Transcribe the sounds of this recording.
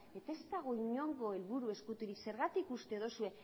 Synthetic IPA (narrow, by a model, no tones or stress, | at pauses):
e̞t̪aezd̪aɣ̞o̞iɲo̞ŋɡo̞e̞lβuɾue̞skut̪uɾikse̞ɾɣat̪ikust̪e̞ðo̞sue̞